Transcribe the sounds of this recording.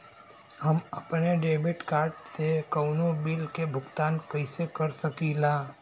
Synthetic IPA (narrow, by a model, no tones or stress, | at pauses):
həməpneɖeːbɪʈkaːɾʈsekəwnobilkebʱʊɡt̪aːnkəisekəɾsəkilaː